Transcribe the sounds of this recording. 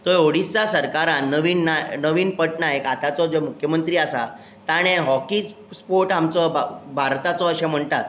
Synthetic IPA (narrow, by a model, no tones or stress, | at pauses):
t̪ɔjoɽist͡sasəɾkaɾanːəʋiːnnanəʋiːnpəʈ̚najekat̪at͡sɔd͡zemukʰjəmənt̪ɾiːasa̰ | t̪aɽ̃eɦɔkis | spoɾʈamt͡sɔbbʱaɾt̪at͡sɔːɕɛm̤əɳt̪at̪